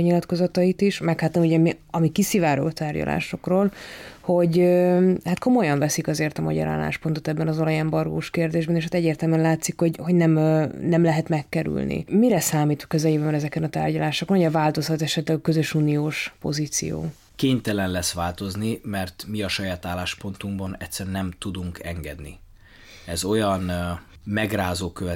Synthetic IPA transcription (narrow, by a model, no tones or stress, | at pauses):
ɲilɒt̪ko̞zɒt̪ɒit̪iʃmɛkhaːt̪ːɒmuɟɛmiɒmikisivaːɾo̰lt̪aːrɟɒ̰lʔa̰ːʃo̞kroːlho̞ɟøhat̪kʰo̞mo̞jɒɱvɛsikɒzeːrt̪ɒmɒ̰ɟɒ̰ɾa̰ːlːa̰ːʃpo̞nt̪ot̪ɛbːɛnɒzolɒjɛmbɒrɡo̰ːʃkeːrd̪eːʒbɛneːʃhat̪ɛɟːeːrt̪ɛlmyɛnlaːt̪sikho̞ɟho̞ɟnɛmnɛmlɛɦɛt̪mɛkːɛɾy̰lnḭmiɾɛsaːmiːt̪ʋɒ̥køzɛlibɛmɛɾɛzɛkɛnɒt̪a̰ːrɟɒlaːʃokonoɟɛvaːlt̪o̞shɒt̪ɛʃɛt̪lɛɡɒkø̞zø̞ʃuːnijoːʃpo̞̰ziːt̪sḭjo̰ː | keːɲt̪ɛlɛnlɛsʋaːlt̪o̞znimɛrt̪miɒʃɒjaːt̪aːlːaːʃpo̞nt̪uŋɡbɒnɛt̪sɛɾnɛmt̪ud̪uŋkʰɛŋɡɛ̰d̪nḭ | ɛzo̞jɒn | mɛɡraːzoːkøvɛ